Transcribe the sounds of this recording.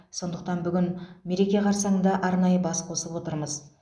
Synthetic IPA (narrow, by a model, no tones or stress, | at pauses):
so̞nd̪əq̚t̪ɑnbʏɡʲɪnme̞ɾe̞kʲe̞qʰɑɾsɑɴəɴd̪ɑʔɑɾnɑjəbɑsqʰo̞səlˠpwo̞t̪əɾməz